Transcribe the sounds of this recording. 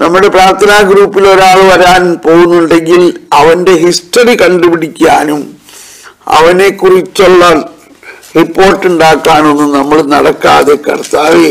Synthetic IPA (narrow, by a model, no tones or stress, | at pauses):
nɐmːuɽe̞praːrt̪ʰɐnaːɡɾuːpːilo̞ɾaːɭʋɐɾaːnpo̞ːɣunːuɳɖe̞ŋɡilɐʋɐnde̞ɦisʈɐrikɐɳɖupiɽikʲːaːnum | ɐ̰ʋɐne̞kːurit͡ɕːoɭːɐ | ripːo̞ːrʈːuɳɖaːkːaːno̞nːunɐmːɐɭnɐɽɐkːa̰ːðekɐ̰rt̪aːʋe